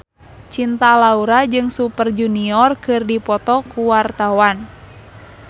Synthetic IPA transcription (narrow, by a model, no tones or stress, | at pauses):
t͡ʃint̪alauɾad͡ʒɨŋsupərd͡ʒuniɔrkɨrdipɔt̪ɔkuwart̪awan